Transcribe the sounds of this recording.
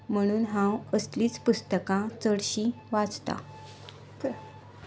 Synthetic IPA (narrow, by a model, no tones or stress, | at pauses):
m̤əɽ̃uːnɦãwəsliːt͡spust̪əkãt͡səɽɕi | ʋad͡zt̪a̰